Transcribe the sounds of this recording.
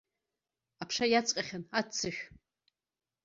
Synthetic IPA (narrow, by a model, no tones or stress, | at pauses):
apʰʂajat͡sʼqʲʼaχʲanatt͡sʰːɨʃᶣ